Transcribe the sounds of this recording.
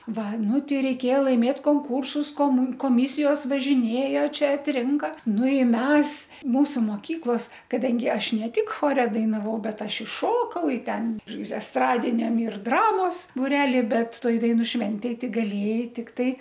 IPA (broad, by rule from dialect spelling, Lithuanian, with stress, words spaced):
ˈʋɐ ˈnʊ ˈtʲɛɪ rʲɛɪˈkʲeːjɛ lˠɐɪˈmʲeːt koːŋˈkuːrsʊs koːˈmʊ koːˈmʲɪsʲɪjoːs ʋɐʒʲɪˈnʲeːjoː ˈt͡ʃʲɛ ɐtʲˈrʲɪŋkɐ ˈnʊ ˈɪ ˈmʲɛs ˈmuːsʊ moːˈkʲiːklˠoːs kɐˈdɐŋʲɡʲɪ ˈɐʃ ˈnʲɛ ˈtʲɪk ˈxoːrʲɛ dɐɪnɐˈʋɐʊ ˈbʲɛt ˈɐʃ ɪ ˈʃoːkɐʊ ɪ ˈtʲɛn ɪr ɛsˈtrɑːdʲɪnʲɛm ɪr ˈdrɑːmoːs bʊˈrʲæːlʲɪ ˈbʲɛt ˈtoːj dɐɪˈnuː ˈʃʲʋʲɛnʲtʲeːj ˈtʲɪk ɡɐˈlʲeːjɛɪ ˈtʲɪktɐɪ